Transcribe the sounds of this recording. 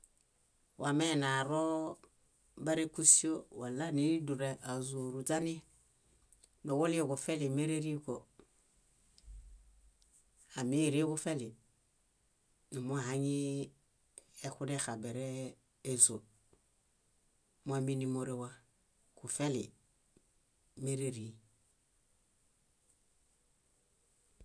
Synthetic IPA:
wa˨me˦˨na˨ɾo˦ | ba˦ɾe˦ku˦si˦o˦wa˨la˦ni˨˦du˨ɾe˦ʔa˨zo˨ɾu˨d͡ʒa˦ni˦ | me˨wo˦li˦o˦˨ku˨fe˦li˨me˦ɾe˦ɾi˦ko˨ | a˨mi˦˨ɾi˦ku˦fe˦li˨ | nu˨mu˦a˨ɦa˦ɲi˦ | e˦ku˦de˦xa˨be˨ɾeː˦ | zo˨ | mo˦a˦mi˦ni˦mo˨ɾe˦wa˦ | ku˨fe˦lḭ˨ | me˦ɾe˦ɾi˨

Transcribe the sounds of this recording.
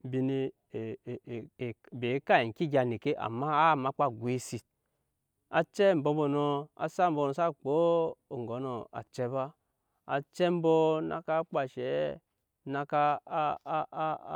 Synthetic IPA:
bi˨ni˨ | be˨˦ka˦i˨ki˦ɡʲa˨ni˨ke˦ʔa̰˨ma˦a˦˨ma˨˦k͡pa˦˨ɡʷwe˦si˨ | a˨t͡ʃɛ˦m̩˨bo˧˦bo˨no˧a̰˨sa˦m̩˦bo˧˨no˨sa˦k͡po˦o˨ŋ˨ɡo˨˦no˨a̰˨t͡ʃɛ˦βaː˦˨ | t͡ʃɛ˦m˦bɔ˦na̰˨ka˦k͡pa˨ʃɛ˨˦ | na˧ka˦

